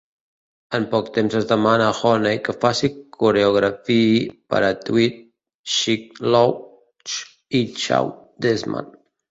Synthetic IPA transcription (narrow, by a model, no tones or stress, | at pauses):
əmpɔkt̪emzəzðəmanəːxɔnejkəfasikʰuɾeuɣ̞ɾəfipə̰ɾət̪wit̪̚ | ʃik̚lo | t͡ʃ | it͡ʃa̰w | d̪ezma̰n